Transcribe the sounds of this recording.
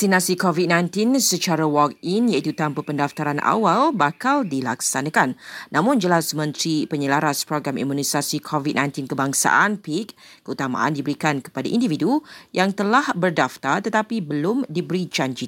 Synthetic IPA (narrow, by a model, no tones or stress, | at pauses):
ast̪inãsikovit̪̚nãjnt̪insət͡ʃaɾawɔk̚injait̪ut̪ampəpəndaft̪aɾanʔa̰walbakaldilaksanãkanːãmʊ̃nd͡ʒəlasmə̃nt̪ɾipəɲəlaɾaspɾoɡɾamḭmũnisasikʰovit̪̚nãjnt̪inkəbaŋsa̰ʔanpik̚ːəut̪amã̰ʔa̰ndibəɾikankə̥padaʔindividujaŋt̪əlahbərdaft̪art̪ət̪apibəlʊmdibəɾid͡ʒand͡ʒi